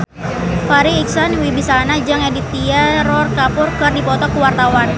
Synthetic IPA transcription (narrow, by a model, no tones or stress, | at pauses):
faɾiːksanwibisanad͡ʒaŋedit̪iaɾɔrkapʊrkɨrdipɔt̪ɔkuwart̪awan